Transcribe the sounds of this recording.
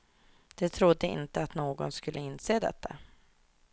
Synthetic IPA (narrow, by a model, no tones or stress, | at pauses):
d̪̥ɛt̪ʰɾʊd̪ːəɪ̰nt̪əat̪noːɡɔnskɵlʔəɪnːseːd̪ɛ̰t̪ʰːa̰